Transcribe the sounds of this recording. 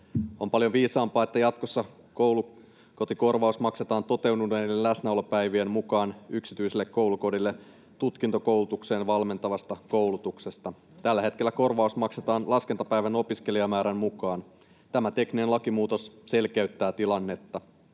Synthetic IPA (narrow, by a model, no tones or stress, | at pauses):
o̞mpɑljoʋiːsɑːmpɑːet̪ːæjɑt̪kosːɑ | ko̞wlu | ko̞t̪iko̞rʋɑusmɑkse̞t̪ɑːnt̪o̞t̪e̞wduneelæsnæolopæjʋiemmukɑːnyksit̪yiselːekːo̞wluko̞dilːe | t̪ut̪kint̪o̞ko̞wlut̪ukse̞ːnʋɑlme̞nt̪ɑʋɑst̪ɑko̞wlut̪ukse̞st̪ɑ | t̪ælːæɦe̞t̪kelːæko̞rʋɑusmɑkset̪ɑːnlɑskent̪ɑpæjʋæno̞piske̞liɑmæːɾæmmukɑːn | t̪æmæt̪e̞kninenlɑkimuːt̪o̞sse̞lkeyt̪ːæːt̪ilɑnːet̪ːɑ